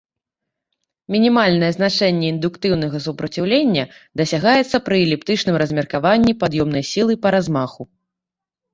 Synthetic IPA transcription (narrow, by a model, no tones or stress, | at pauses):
mʲinʲimalʲnɐjɛznat͡ʂɛnʲːɛind̪ukt̪ɨwn̪ɐɣɐs̬upɾɐt͡sʲiwlʲenʲːɐd̪ɐsʲaɣajɛt̪sːɐpɾɨɛlʲipt̪ɨt͡ʂnɨmɾɐzʲmʲɛrkavanʲːipad̪jɔmn̪ɐjsʲilˠɨpɐɾazmaxu